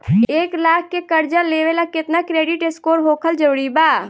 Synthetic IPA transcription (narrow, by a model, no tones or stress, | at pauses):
eːklaːkʰːekəɾd͡ʒəleːʋelakɪt̪nakɾeːɖiʈeskoːɾɦoːkʰəld͡ʒəʋɽibaː